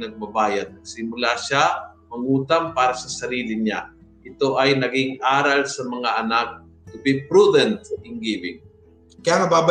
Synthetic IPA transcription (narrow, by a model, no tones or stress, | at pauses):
nɐɡ̚bɐbaːjad̪̚sɪmʊlaʃamɐŋuːt̪ampaːɾɐsɐsɐɾiːlɪɲa̰ | ʔɪt̪o̞ʔɐjnɐɡɪŋʔaːɾalsɐmɐŋaʔɐnak̚ː | ʊbɪpɾud̪ɛnt̪̚sɐkɪŋɡiːbɪŋ | kɐjaŋɐbaːb